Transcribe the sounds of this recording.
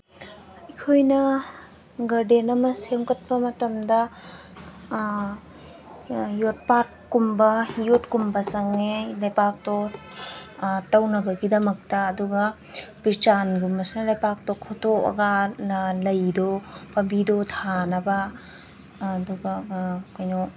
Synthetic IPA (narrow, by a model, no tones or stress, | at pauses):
ikʰojnɐ | ɡɐɾdenɐmɐsemkɐt̚pɐmɐtɐmdɐ | jot̚pat̚ | kumbɐhijot̚kumbɐsɐŋelɐjpak̚to | tɐwnɐbɐɡidɐmɐk̚tɐːduɡɐ | pit͡ʃanɡumbɐsnɐlɐjpak̚tokʰotokɐ̰ɡɐlɐjdopɐmbidotʰanɐbɐ | duɡɐkojnɔ